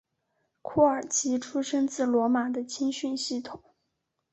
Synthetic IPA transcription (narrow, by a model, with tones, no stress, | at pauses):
kʰu˥˩ə˞˨˩t͡ɕʰi˧˥ʈ͡ʂʰu˥ʂɤ˥ŋt͡sɹ̩˥˩lwɔ˧˥ma˨˩d̪ə˦t͡ɕʰi˥nɕy˥˧nɕi˥˩t̪ʰʊ˨˩˦ŋ